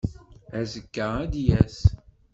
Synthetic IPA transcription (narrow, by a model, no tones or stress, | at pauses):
æzəkːəʁæd̪jæs